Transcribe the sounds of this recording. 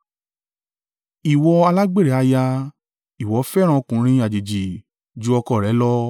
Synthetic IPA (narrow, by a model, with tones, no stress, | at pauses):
i˨wɔ˧a˧la˦ɡ͡be˦˨ɾɛ˨˦a˧ja˧ | i˨wɔ˨˦fɛ˦ɾ̃ã˧kũ˨˦ɾ̃ĩ˧˦a˨d͡ʒe˨d͡ʒi˨ | d͡ʒu˨˦ɔ˧kɔ˦˨ɾɛ˨˦lɔ˦